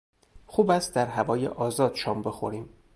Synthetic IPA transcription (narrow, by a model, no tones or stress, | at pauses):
xuːbæst̪̚d̪æɾɦævɒːjḛʔɒːzɒːd̪̥ʃɒːmbe̞xo̰ɾiːm